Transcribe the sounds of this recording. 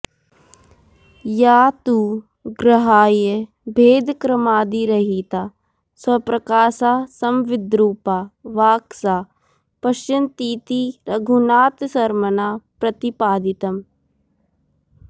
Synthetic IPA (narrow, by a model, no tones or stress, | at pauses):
jaːt̪uː | ɡɾɐɦaːje | bʱeːd̪kɾɐmaːd̪iɾɐɦiːt̪aː | swɐpɾɐkaːʃaːsɐmʋɪd̪ɾuːpaːʋaːksaː | pɐʃt͡ʃɐnt̪iːt̪iɾɐɡʱunaːt̪sɐɾmɐnaːpɾɐt̪ipaːd̪it̪ɐm